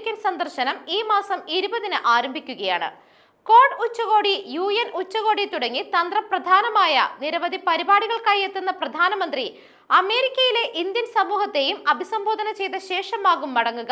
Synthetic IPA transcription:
kʲːɐnsɐnd̪ɐrɕɐnɐmiːmaːsɐmiɾubɐðinɨʔaːɾɐmbʱikʲːuɣɐja̰ːɳɨ̰ | ko̞ːrɖut͡ɕːɐɣo̞ːɽijuːjɐnut͡ɕːɐɣo̞ːɽit̪uɽɐŋːit̪ɐnd̪rɐprɐd̪ʱaːnɐmaːjɐ̰niɾɐʋɐd̪ʱipɐɾibaːɽiɣɐɭkaːjet̪ːenːɐprɐd̪ʱaːnɐmɐnd̪ri | ɐme̞ːɾikʲːɐjile̞ʔind̪jɐnsɐmuːhɐt̪ːe̞jumɐbʱisɐmboːd̪ʱɐnɐt͡ɕe̞jt̪ɐɕe̞ːʂɐmaːɣumːɐɽɐŋːuɣɐ

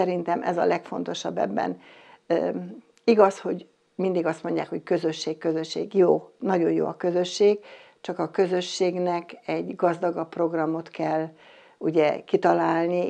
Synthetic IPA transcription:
ɛɾint̪ɛmʔɛ̰zɒ̰lɛkfo̞nt̪o̞ʃɒ̰bːɛ̰bːɛ̰n | iɡɒsho̞ɟ | mind̪iɡɒst̪mo̞ɲɟja̰ːkho̞ckø̞zøʃːeːkkːøzø̞ʃːḛːɡjoːnɒɟo̞njo̰ːɒkø̞zø̞ʃːeːɡ̥ | t͡ʃɒkɒkø̞zø̞ʃːeːɡnɛkɛɟɡɒzd̪ɒɡɒpːro̞ɡrɒmo̞t̪kɛlː | uɟɛkit̪ɒlaːlni

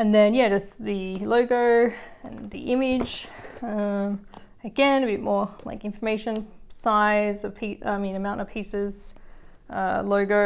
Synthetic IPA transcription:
ɨ̃nðɨ̃njæd͡ʒʌsðɨloʊɡoʊɨ̰̃nðḭʔɪ̃mɪ̥d͡ʒ̥ʌ̃m | ɨɡɛ̃nɨbɪt̚mɔɹla̰ɪkɪ̃ɱfə˞meɪʃɨ̃nsaɪzʌv̥pʰiʌa̰ɪmĩnɨmãʊ̃ntʌv̥pʰisɪz̥ | ʌ̰loʊɡoʊ

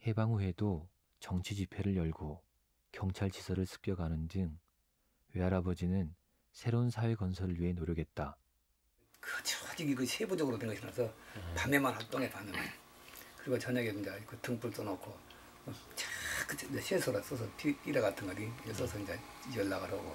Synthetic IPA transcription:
he̞baŋuɦe̞do | t͡ɕʌŋt͡ɕʰid͡ʑipʰe̞ɾɯɭjʌɭɡo | kjʌŋt͡ɕʰaɭt͡ɕisʰʌɾɯɭsʰɯ̥k̚k͈jʌɡanɯndɯŋ | weaɾabʌd͡ʑinɯn | sʰe̞ɾounsʰawe̞kʌnsʰʌɾɯɭɥiɦe̞noɾjʌɡe̞t̚t͈a | kɯt͡ɕʰd͡ʑiɡikɯsʰebod͡ʑʌɡɯɾoteŋɡʌɕʰinasʰʌpamemanhat͈oŋepanemankɯɾiɡot͡ɕʌɲaɡeɯnd͡ʑakʰɯtʰɯŋpuɭs͈ʌnʌkʰo | ʌt͡ɕḁkʰt͡ɕeɕʰesʰoɾas͈ʌsʰʌpip͈iɾaɡatʰɯnŋɡadiies͈ʌsʰʌind͡ʑaiʌlːaɡaɾaɡo

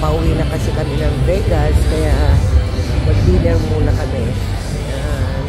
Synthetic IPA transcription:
pɐʔʊwinɐkɐsɛkɐmɪnɐŋɾɛɡaskɐja | mɐɡ̚liːlɐŋmuːnɐkɐmɛ | jan

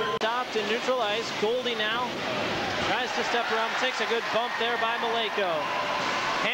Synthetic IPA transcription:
tɑp̚tʰɨ̃nːʉt͡ʃɹ̥əlaɪzɡoʊlˠdinaʊ | tʰɹ̥aɪz̥tʰɨstɛp̚əɹãʊ̃mtʰeɪksɨɡʊd̚bʌ̃mp̚ðə˞baɪməleɪkoʊ | hæ

